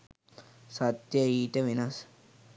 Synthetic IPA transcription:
sat̪jəiːʈəʋenas

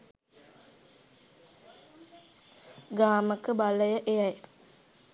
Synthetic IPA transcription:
ɡaːməkəbaləjəʔejaj

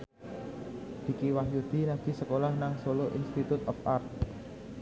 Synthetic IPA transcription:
d̪̥i̤kiwahjud̪̥i̤naɡ̥i̤səkolahnaŋsoloʔḭnst̪it̪ut̪ɔfart̪̚

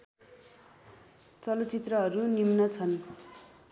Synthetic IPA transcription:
t͡sʌlʌt͡sit̪rʌɦʌɾunimnʌt͡sʰʌn

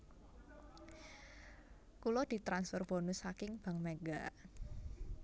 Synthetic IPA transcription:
kulɔd̪̥i̤t̪ɾansfɔrb̥o̤nʊsːakɪŋb̥a̤ŋmeɡa

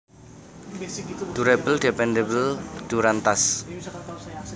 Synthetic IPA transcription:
d̪̥uɾɛbəldepɛndebəld̪̥uɾant̪as

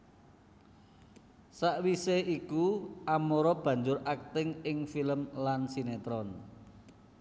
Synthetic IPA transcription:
saʔwiseikuʔamoɾɔb̥ä̤ɲd͡ʒʊɾʔak̚t̪ɪŋɪŋfiləmlansinet̪ɾɔn

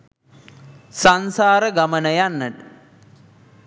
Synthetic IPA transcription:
sansaːɾəɡamənəjanːəʈə

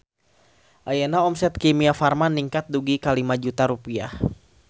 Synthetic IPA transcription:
ʔajanaɔmsɛt̪̚kimiafarmaniŋkat̪̚duɡikalimad͡ʒut̪aɾupia̰h

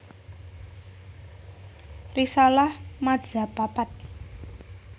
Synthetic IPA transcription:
risalahmad̥ʒ̥a̤papat̪̚

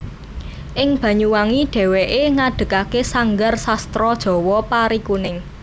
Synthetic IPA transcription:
ʔɪŋb̥ä̤ɲuwaŋiɖ̥e̤weʔeŋaɖ̥ə̤kakesaŋɡarsast̪ɾɔd̥ʒ̥ɔ̤wɔpaɾikunɪŋ

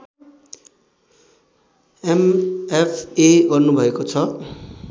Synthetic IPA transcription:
emepʰeɡʌrnubʱʌekot͡sʰʌ

